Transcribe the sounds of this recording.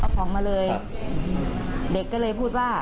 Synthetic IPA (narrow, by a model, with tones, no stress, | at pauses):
a˧˩kʰɔː˩˦ŋmaː˧lɤː˧j | de˨˩kːɔː˥˩lɤː˧jpʰuː˥˩t̪̚waː˥˩